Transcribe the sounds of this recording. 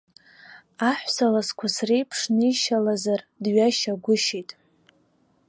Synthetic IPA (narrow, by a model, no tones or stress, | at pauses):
aħʷsalaskʷʰasrejpʰʂnɨiʃalazardɥaʃaɡʷʊʃejtʼ